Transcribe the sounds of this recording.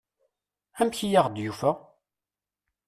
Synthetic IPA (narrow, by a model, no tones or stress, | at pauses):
æmçijaʁd̪jufə